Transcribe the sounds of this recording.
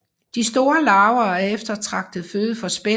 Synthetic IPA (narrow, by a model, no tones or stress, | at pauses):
d̥isd̥o̝ːɐlɑ̈ʊɐːæefd̥ɐt͡sʰʁɑ̈ɡ̥̚d̥ð̩ˠføːð̞̩ˠəfɒ̽sb̥e